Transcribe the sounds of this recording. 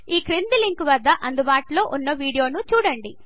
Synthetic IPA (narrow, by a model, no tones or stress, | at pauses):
iːkɾind̪iliŋkʋɐd̪ʱːɐʔɐnd̪ubaːʈulo̞ːʔunːɐʋiːɽijo̞ːnut͡ʃuːɽɐɳɖi